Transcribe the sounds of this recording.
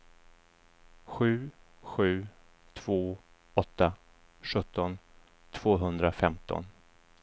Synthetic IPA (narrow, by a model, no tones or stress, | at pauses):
ɧʉ̟ː | ɧʉ̟ː | t̪ʰv̥oː | ɔt̪ːa | ɧɵt̪ʰːɔn | t̪ʰv̥oːɦɵnd̪ɾafɛmt̪ʰɔ̰n